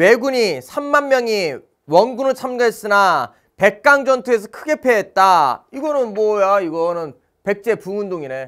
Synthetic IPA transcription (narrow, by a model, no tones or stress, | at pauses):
we̞ɡuɲisʰamːanmjʌŋi | wʌnɡunɯɭt͡ɕʰamɡaɦes͈ɯna | pe̞k̚k͈aŋd͡ʑʌntʰues̬ʰʌkʰɯɡe̞pʰeɦet̚t͈aiɡʌnɯnmwʌjaiɡʌnɯn | pe̞k̚t͡ɕ͈e̞puŋundoŋine̞